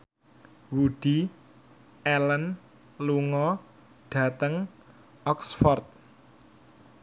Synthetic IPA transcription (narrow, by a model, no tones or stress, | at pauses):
wuɖ̥i | ɛlən | luŋɔ | ɖ̥ä̤t̪əŋ | ɔksfɔrt̪̚